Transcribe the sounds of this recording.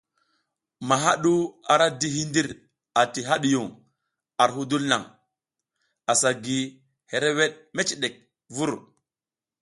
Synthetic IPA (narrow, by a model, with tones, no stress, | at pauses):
ma˨ɦa˦ɗu˦a˨ɾa˦di˦ɦi˦ndi˦ɾ | a˨ti˨ɦa˦ɗi˨ju˨ŋ | a˨ɾɦu˦du˦lna˨ŋ | a˨sa˨ɡi˨ | he˨ɾe˦we˦ɗ̚me˦t͡ʃi˨ɗe˨k̚ | vu˦ɾ